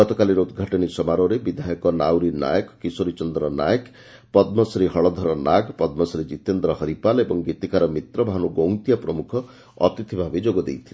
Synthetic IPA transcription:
ɡɔt̪ɔkaliɾɔud̪ɡʱaʈɔnisɔmaɾoɾebid̪ʱajɔkɔnawɾina̰jɔkkisoɾit͡ʃɔnd̪ɾɔna̰jək | pɔd̪mɔsɾiɦɔɭɔd̪ʱɔɾɔnaɡpɔd̪mɔsɾid͡ʒit̪end̪ɾɔɦʌɾipalebɔŋɡit̪ikaɾɔmit̪ɾɔbʱaɦnuɡow̃t̪ijapɾɔmukʰɔ̰ː | t̪it̪ʰibʱabid͡ʒoɡɔd̪ḛjt̪ʰile

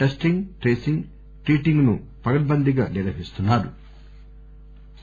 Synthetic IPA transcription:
ʈesʈiŋɡʈɾeːsiŋɡ | ʈɾiːʈiŋɡnu | pɐɡɐʈ̚bɐnd̪iɡaːniɾɐɦist̪unːaːɾṵ

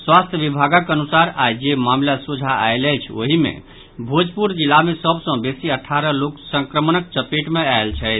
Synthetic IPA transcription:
swast̪ʰjəbibʱaɡəkənusaɾad͡ʒemamlasud͡ʒʱaa̰jləjt͡ʃʰo̰ɦimḛ̃ | bʱod͡ʒpuɾd͡ʒilːamesəbsə̃besiəʈʰaɾəloksə̃ŋkɾəmənək̚t͡ʃəpeʈmeaelt͡ʃʰɛt̪

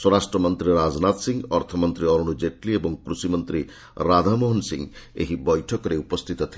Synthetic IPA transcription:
swɔɾasʈɾɔmɔnt̪ɾiɾad͡ʒnat̪siŋɡɔɾt̪ʰɔmɔnt̪ɾiɔɾuɽ̃ud͡ʒeʈliebɔŋkɾusimɔnt̪ɾi | ɾad̪ʱamoɦɔnsḭŋḛɦibɔjʈʰɔkɔɾeupɔst̪ʰit̪ɔt̪ʰile

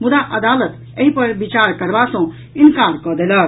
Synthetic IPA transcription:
mud̪aʔəd̪aːlət̪ | eɦipəɾbit͡ʃaɾkəɾbasə̃ | inkaɾkəd̪ela

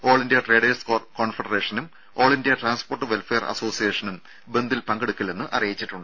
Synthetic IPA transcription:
o̞ːɭindijɐʈre̞ːɖeːsko̞ːɳfɐɽɐreːʂɐnum | o̞ːɭindijɐʈraːnspo̞ːrʈːɨʋelfeːrʔɐ̰so̞ːsijeːʂɐnum | be̞nd̪ilpɐŋɡeɽukːilenːɨʔɐ̰rijit͡ɕːiʈːuɳɖɨ

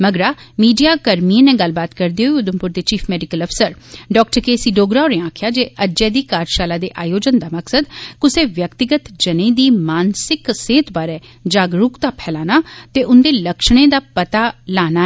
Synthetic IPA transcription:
məɡɾaːmiːɖijaːkəɾmiẽːnẽːɡəlbaːt̪kəɾd̪iːɦoiʊd̪əmpʊɾd̪eːt͡ʃiːpʰmɛːɖɪkələpʰsəɾɖɔːk̚ʈəɾkeːsiːɖoːɡɾaːoɾẽaːkʰjaːd͡ʒeːʔəd͡ʒɛːd̪iːkaːɾʃaːlaːd̪eːʔaːjoːd͡ʒənd̪aːməksəd̪kʊseːʋjəkt̪ɪɡət̪d͡ʒənẽːd̪iːmaːnsɪkseːt̪baːɾɛːd͡ʒaːɡɾʊkt̪aːpʰɛːlaːnaːt̪eːʔʊnd̪eːləkʃɽ̃ẽːd̪aːpət̪aːlaːnaːɛː

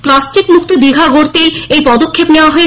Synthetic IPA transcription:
plasʈikmukt̪od̪iɡʱaɡʱoɾt̪eejpɔd̪okʰːepneoaɦoe

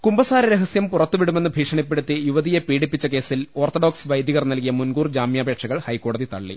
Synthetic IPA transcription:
kumbɐsaːɾɐɾeɦɐsjɐmpurɐt̪ːuʋiɽume̞nːɨbʱiːʂɐɳipːeɽut̪ːijuʋɐðijepiːɽipːit͡ɕːɐke̞ːsilo̞ːrt̪oɽoːksʋɐjd̪jɐɣɐrnɐlkijɐmunɡuːrd͡ʑaːmjaːbʱe̞ːʈʂɐɣɐɭhɐjkːo̞ːɽɐðit̪ɐɭːḭ

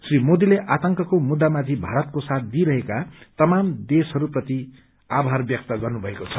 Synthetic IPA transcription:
srimod̪ileʔat̪ʌŋkʌkomud̪ːamat̪ʰibʱaɾʌt̪kosat̪̚ʰd̪iɾʌɦekat̪ʌmamd̪esɦʌɾuprʌt̪i | abʱarbjʌk̚t̪ʌɡʌrnubʱʌekot͡sʰʌ

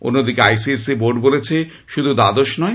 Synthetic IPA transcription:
o̰nːod̪ikeajsieseboɾɖbolet͡ɕʰe | ʃud̪ʱud̪ad̪oʃnɔe

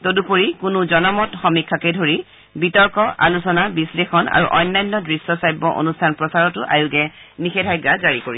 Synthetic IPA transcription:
todupoɹikʊnuzɔnamɔtxɔmikʰːakɛdʱoɹi | bitɔɹkɔʔa̰lusɔnabislexɔna̰ɹṵʔɔjnːajnːɔdɹisːɔsajbːɔʔo̰nustʰanpɹɔsaɹɔtʊʔa̰juɡɛnixɛdʱajɡazaɹikoɹi

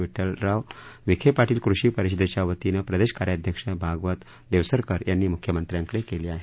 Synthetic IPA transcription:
ʋiʈəlɾaʋʋikʰepaʈiːlkɾuʂiːpəɾiɕid̪et͡ɕjaʋət̪inəpɾəd̪eɕkaɾjad̪ʱjəkʂəbʱaɡʋət̪ | d̪eʋsəɾkəɾjanːiːmukʰjəmənt̪ɾjãŋklekeliːaɦe

